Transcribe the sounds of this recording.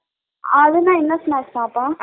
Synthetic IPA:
ɐðɯnãːɪnːɐsɔnaːsaːpːaː

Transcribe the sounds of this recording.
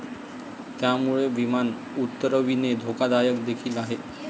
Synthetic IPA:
t̪jamuɭeʋiman | ut̪ːəɾəʋined̪ʱokad̪ajəkd̪ekʰiːlaɦe

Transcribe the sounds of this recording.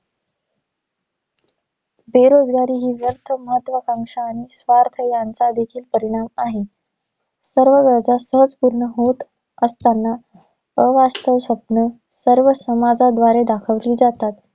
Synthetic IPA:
beɾod͡zɡaɾiːɦiːʋjəɾt̪ʰəməɦət̪ːʋəkaŋʂaːɽ̃isʋaɾt̪ʰəjant͡sad̪ekʰiːlpəɾiɽ̃amaɦe | səɾʋəɡəd͡zasəɦəd͡zpuɾɳəɦot̪ | əst̪anːa | əʋast̪əʋsəpnə | səɾʋəsəmad͡zad̪ʋaɾed̪akʰəʋliːd͡zat̪at̪

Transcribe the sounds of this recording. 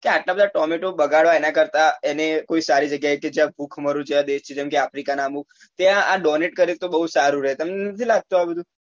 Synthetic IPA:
keaʈlabəd̪ʱaʈɔmeʈobəɡaɭʋaenakəɾt̪aenekoisaɾid͡ʒəɡjaeked͡ʒjãbʱukʰməɾũd͡ʒeãd̪eʃt͡ʃʰid͡ʒɛmkeafɾikanamũk̚ | t̪jãaɖɔneʈkəɾit̪obəɦusaɾuɾəɦet̪əmnenət̪ʰilaɡ̚t̪oɦabəd̪ʱũ

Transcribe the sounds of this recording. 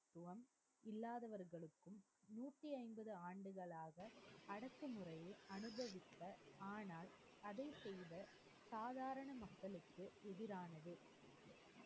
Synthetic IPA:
t̪ːʊʋɐm | ɪlːaːðɐʋɐɾɣɐɭɯkːɯm | nuːʈːiɐɪnbɐðɯaːɳɖɯɣɐɭaːɣɐɐɽɐkːɯmɯrɐjɐʔɐnɯbɐʋɪt̪ːɐaːnaːl | ɐðɐɪsɛjðɐ | saːðaːɾɐɳɐmɐkːɐɭɯkːɯʔɛðɪɾaːnɐðɯ

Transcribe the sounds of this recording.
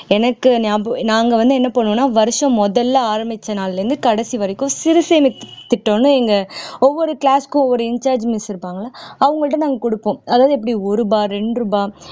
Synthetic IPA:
ɛnɐkːɯnaːnaːŋɡɐʋɐnd̪ɯɛnːɐpɐɳːõːnːaːʋɐɾɯʂɐ̃mːɔðɐlːɐaːɾɐmɪt͡ʃːɐnaːlɾɯnd̪ɯkɐɽɐsiʋɐɾɪkːʊ̃sɪɾɯseːmɪt̪ːɪʈːõːnːɯɛŋɡɐɔʋːɔɾɯkɭaːskʊ̃ɔʋːɔɾɯɪɲt͡ʃaːɾd͡ʒmɪsɪɾɯpːaːŋɡɐɭlːaːɐʋɐŋɡɐɭʈːɐnaːŋɡɐkʊɽɯpːõːɐðaːʋðɯɛpːɐɽiɔɾɯbaːɾɛɳɖɾɯbaː

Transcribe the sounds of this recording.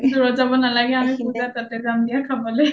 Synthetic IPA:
duɹɔzabɔnalaɡɛamipuzat̪atɛɡamdijakʰabɔlɛ

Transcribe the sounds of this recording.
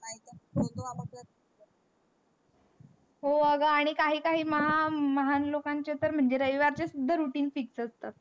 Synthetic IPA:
ait̪əot̪oaləka | ɦoəɡəaɽ̃ikaɦiːkaɦiːməɦaməɦanlokaɲt͡ɕet̪əɾm̤əɳd͡ʑeɾəʋiʋaɾt͡ɕesud̪ʱːəɾuʈiːnfiksəst̪at̪̚

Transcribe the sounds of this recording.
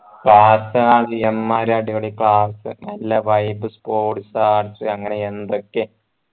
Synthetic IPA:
kɭaːsɨaːɽiemːaːɾaːɽiɣɐɭikɭaːsɨ̰nɐlːɐʋɐjbɨspoːʈsaaːʈsɨɐŋːɐne̞end̪o̞kːe̞

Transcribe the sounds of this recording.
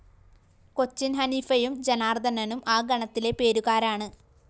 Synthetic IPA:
ko̞t͡ɕːinɦɐnifɐjumd͡ʑenaːrd̪ʱɐnɐnumaːɡɐɳɐt̪ːile̞pe̞ːɾuɣaːɾaːɳɨ

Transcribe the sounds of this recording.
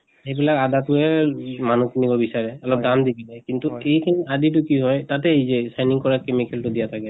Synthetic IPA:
hejbilakadatʊɛmanukʰinibɔbisaɹɛɔlɔp̚damdikinɛkintuejkʰiniʔadit̬ʊkiɦɔjtatɛezɛsajniŋkɔɹakemikɛltʊdijatʰakɛ

